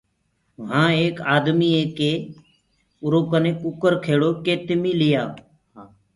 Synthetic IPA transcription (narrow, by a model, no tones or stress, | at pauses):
ɦãːeːkaːd̪miːeːkeː | ʊɾoːkənẽːkʊkəɾkʰeːɽoːkeːt̪ɪmiːlɪjaː